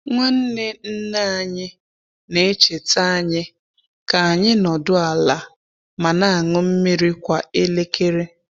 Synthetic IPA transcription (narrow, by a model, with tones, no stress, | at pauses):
ŋʷa˦n̩˦nɪ˦n̩˦na˦a˨ɲɪ˦ | ne˦t͡ʃe˨ta˦˨ɲɪ˦ | ka˨a˨ɲɪ˦nɔ˨dʊ˦a˨la˨ | ma˨na˦a˨ŋʊ˦m̩˦mi˦ɾi˦kʷa˨ɪ˦le˦kʰe˦ɾe˦